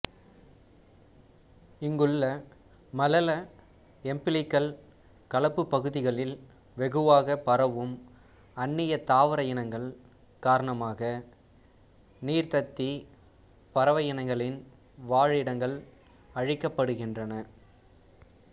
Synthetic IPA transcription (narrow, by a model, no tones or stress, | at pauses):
ɪŋɡɯɭːɐ | mɐlɐlɐ | ɛmpɪlɪkːɐɭ | kɐlɐpːɯpːɐɣɯðɪɣɐɭɪl | ʋɛɣɯʋaːɣɐpɐɾɐʋɯm | ɐnːɪjɐt̪aːʋɐɾɐjɐnɐŋɡɐɭ | kaːɾɐɳɐmaːɣɐ | niːɾt̪ɐt̪ːi | pɐɾɐʋɐjɐnɐŋɡɐɭɪn | ʋaːɻɪɽɐŋɡɐɭ | ɐɻɪkːɐpːɐɽɯɣɪndrɐnɐ